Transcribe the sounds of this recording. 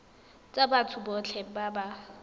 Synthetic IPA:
t͡sʼabatʰʊbɔt͡ɬʰɛbaba

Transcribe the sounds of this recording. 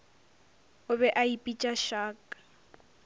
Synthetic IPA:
ʊbɛʔaipʼit͡ʃʼaʃaːkʼḁ

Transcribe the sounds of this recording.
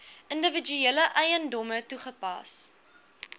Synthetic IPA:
ʔəndəvəd͡ʒyeːləʔɐjəndɔmətuχəpɐ̰s

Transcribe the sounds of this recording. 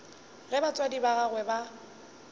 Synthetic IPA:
ɣɛbat͡sʼwadibaɣaɣwɛba

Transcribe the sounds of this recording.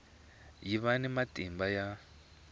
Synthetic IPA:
jiβanɛmatʼimbaja

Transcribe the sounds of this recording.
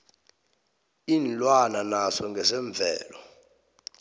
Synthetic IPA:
iːnlwananasɔŋɡʱɛsɛɱb̪vʱɛ̰ːlɔ

